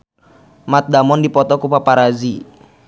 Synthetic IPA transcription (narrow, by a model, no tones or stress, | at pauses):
mat̪̚damɔndipɔt̪ɔkupapaɾazi